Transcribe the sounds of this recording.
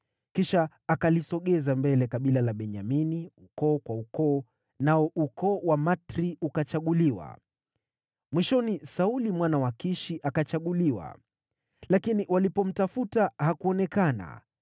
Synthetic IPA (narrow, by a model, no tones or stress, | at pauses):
kiʃaː | kalisɔɠɛzambɛlɛkaɓilalaɓɛɲaminiukɔːkwaukɔː | naɔʔukɔːwamatɾiukat͡ʃaɠuliwa̰ | mwiʃɔnisaulimwanawakiʃiʔakat͡ʃaɠuliwa̰ | lakiniwalipɔm̩tafutahakuɔnɛkana̰